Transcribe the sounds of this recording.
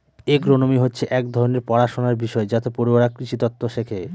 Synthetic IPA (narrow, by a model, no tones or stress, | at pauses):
eɡɾonomiɦotːɕʰeʔɛkd̪ʱɔɾoneɾpɔɽaʃonaɾbiʃɔed͡ʑat̪epoɾibaɾakɾiʃit̪ɔt̪ːoʃekʰe